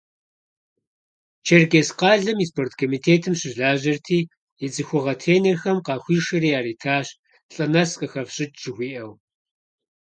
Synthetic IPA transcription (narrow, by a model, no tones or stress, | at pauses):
t͡ʃʰerɡʲesqɑːɮɨmiːspʰoːrtʰkʰomiːtʰeːtʰɨmɕɪʒɮaːʑɐrtʰiː | jɛt͡sɨxʷʊʁɐtʰeːnerxɐmqɑːxʷiːʃɐɾiːaːɾiːtʰaːɕ | ɬʼɐnɐsqəxɐfɕʼɪt̚t͡ʃɪxʷiːʔɐw